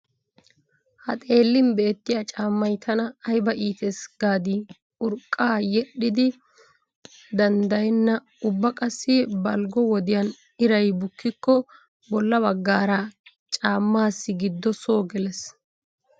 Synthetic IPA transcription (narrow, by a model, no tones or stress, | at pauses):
hɐ̰t̪ʼe̞ːlːɪmbe̞ːt̪ːɪjat͡ʃʼaːmːɐjt̪ʰɐnɐːjbɐʔiːt̪ɛsɡ̥aːd̪i | ʊɾkʼːaːjɛɗːɪd̪ɪ | d̪ɐnd̪ɐjɛnːɐ | ʊbːɐkʼɐsːɪbɐlɡɔwɔd̪ɪjɐn | ɪɾɐjbʊkːɪkːɔ | bɔlːɐβɐɡːaːɾɐ | t͡ʃʼaːmːaːsːɪɡɪd̪ːɔsoːɡɛlɛs